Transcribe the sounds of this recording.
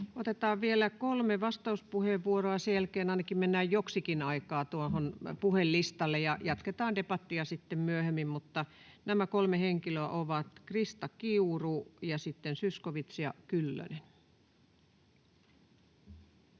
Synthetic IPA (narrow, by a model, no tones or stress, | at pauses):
ot̪et̪ɑːʋʋielækolmeʋɑst̪ɑuspuheʋʋuoroɑsjejælkeːnɑinɑkimmenːæːjjoksikinɑikɑːt̪uoɦonpuhelːist̪ɑlːejɑjɑt̪ket̪ɑːndepɑt̪ːiɑsit̪ːemmyøhemːimmut̪ːɑnæmækolmeheŋkiløæʔoʋɑt̪krist̪ɑkiurujɑsit̪ːensyskoʋit̪sjɑ̰kylːø̰nen